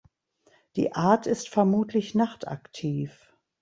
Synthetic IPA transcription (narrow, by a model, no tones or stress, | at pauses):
d̥ḭːʔaːɐtʰɪstfɛɐmuːtʰlɪçnaχtʰa̰ktʰiːf